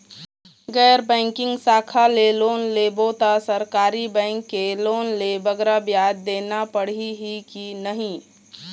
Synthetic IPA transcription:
ɡɛːɾbɛ̃ːŋkɪ̃ŋɡsaːkʰaleloːnleboːt̪asəɾkaːɾibɛ̃ɪŋkːeloːnlebəɡɾabjaːd̪ːeːnapəɽ̤iɦikinəɦĩ

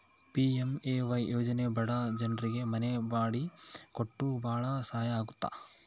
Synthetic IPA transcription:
piemeːʋɐjjʔoːd͡ʒɐnebɐɽad͡ʒɐnɾiɡe̞mɐnebaːɽikoʈːubʱaːɭɐsaːjɐaːɡut̪ːa̰

